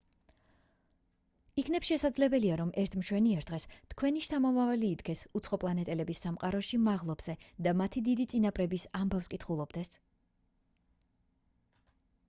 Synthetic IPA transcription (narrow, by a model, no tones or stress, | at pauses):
ikʰnɛpsʃɛsad̪zlɛbɛliaɾɔmʔɛɾt̪ʰmʃwɛniɛɾd̪̥ʁɛst̪ʰkʰwɛniʃt̪ʰamɔmavaliːd̪ɡɛsut̪sʰχɔpʼlˠanɛt̪ʼɛlɛbisːamqʼaɾɔʃimaʁlˠɔbz̥ɛd̪amat̪ʰid̪id̪it̪sʼinapʼɾɛbisambafskʼit̪ʰχulˠɔbd̪ɛs